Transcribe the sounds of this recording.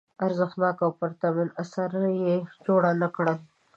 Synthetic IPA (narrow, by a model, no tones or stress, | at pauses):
aɾzəxt̪nɑkawpəɾt̪ɑminasaɾjed͡ʒoɽanakɽə